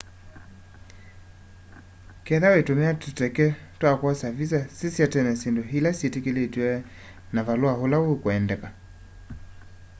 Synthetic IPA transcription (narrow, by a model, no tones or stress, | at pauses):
kɛðawetumɛatutɛkɛ | twakwasavisasisijatɛnɛsindoɦilasietekeletiwɛ | navaluaholawekuɛndɛka